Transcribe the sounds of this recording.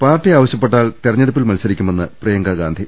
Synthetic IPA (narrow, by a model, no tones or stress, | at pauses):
paːtːiaːʋɐɕjɐpːeʈːaːlt̪irɐɲːeɽɐp̬ːilmɐlsɐɾikʲːume̞nːɨprɐjɐŋɡɐɡaːnd̪ʱi